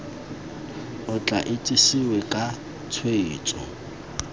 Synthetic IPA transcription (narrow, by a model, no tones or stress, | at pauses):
ʊt͡ɬʼa̰ʔɪtʼisiwɛkʼa | t͡sʰweiːt͡sʼɔ̰